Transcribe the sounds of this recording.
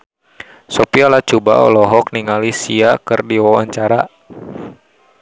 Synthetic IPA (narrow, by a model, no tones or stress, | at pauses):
sɔpialaht͡ʃuba̰ɔ̰lɔɦɔk̚niŋalisiakɨrdiwawaɲt͡ʃaɾa